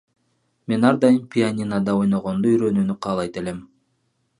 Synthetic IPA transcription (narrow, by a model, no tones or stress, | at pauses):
me̞n̪ɑɾd̪ɑjɯnpʰʲianʲinad̪ɑo̞jnoʁo̞nd̪oyɾø̞nyːnyqʰɑːlˠɑjt̪e̞le̞m